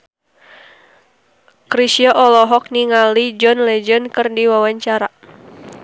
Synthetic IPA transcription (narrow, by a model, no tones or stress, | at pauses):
kɾisiɔʔɔlɔɦɔk̚niŋalid͡ʒɔnlɛd͡ʒənkɨrdiwawaɲt͡ʃaɾa